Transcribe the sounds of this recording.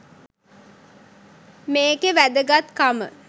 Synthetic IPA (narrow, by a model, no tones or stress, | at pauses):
meːɡeʋæd̪əɡat̪kamə̰